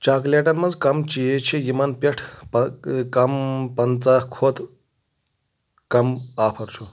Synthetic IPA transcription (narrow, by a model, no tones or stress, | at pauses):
t͡ʃaːkleʈɐnmɐd͡zkɐmt͡ʃijet͡ʃʰijimɐnpeʈʰpkɐmpɐnt͡sakʰoːt̪ | kɐmaːpʰɐɾt͡ʃʰu